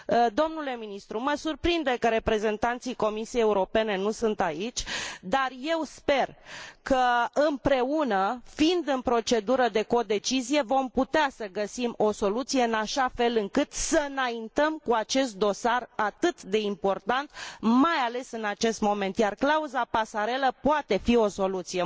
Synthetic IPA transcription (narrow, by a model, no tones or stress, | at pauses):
d̪o̞mnule̞minist̪ɾuməsurpɾind̪ekəɾe̞pɾe̞ze̞nt̪ant̪sijko̞misijejeuɾo̞pe̞ne̞nusunt̪ait͡ʃʲd̪arje̞wspe̞rkəɨmpɾe̞unəfind̪ɨnpɾo̞t͡ʃe̞d̪uɾəd̪e̞ko̞d̪e̞t͡ʃizije̞vo̞mput̪easəɡəsimo̞so̞lut̪sije̞ɨnaʃafe̞lɨŋkɨt̪səɨnaint̪əmkuat͡ʃe̞st̪̚d̪o̞sarat̪ɨt̪d̪e̞impo̞rt̪ant̪majale̞sɨnat͡ʃe̞st̪mo̞me̞nt̪jarklauzapasaɾe̞ləpoat̪e̞fio̞so̞lut̪sije̞